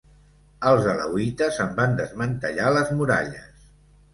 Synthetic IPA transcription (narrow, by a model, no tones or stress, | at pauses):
əlˠzələ̰wit̪əzəmband̪əzmənt̪əʎaləzmuɾa̰ʎəs